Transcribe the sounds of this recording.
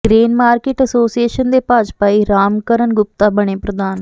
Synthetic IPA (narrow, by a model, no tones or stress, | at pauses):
ɡɾeːnmaːɾkeːʈəsoːsieːʃənd̪eːpaːd͡ʒpaːiɾaːmkəɾənɡʊp̚t̪aːbəɽ̃eːpɾəd̪aːn